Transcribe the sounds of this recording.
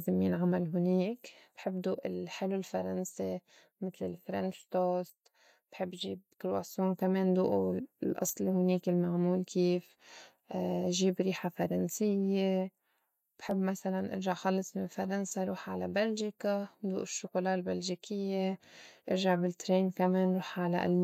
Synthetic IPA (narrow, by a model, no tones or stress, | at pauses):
zɪmjɪnʕamalɦʊniːkb̥ħɪbːd̪uːʔɪlħɪlɪlfaɾˤansi | mɪt̪lɪlfɾanʃt̪oːst̪ | b̥ħɪbːʒiːb̚kɪɾwasuːmkameːnd̪ṵːʔlʔɑ̰sˤlhʊniːkɪlmaʕmuːlkiːf | ʒiːbɾiːħafɑɾˤɑnsɪjːe | b̥ħɪbːmasalanʔɪ̰ɾʒaʕxɑlːɨsˤmɪnfaɾˤansaɾˤuːħʕalabalʒikad̪uːʔɪʃːʊqʊlaːʔɪlbalʒikʰɪjːeʔɪɾʒaʕbɪlt̪ɾeːnkameːnɾuːħʕalaʔa̰l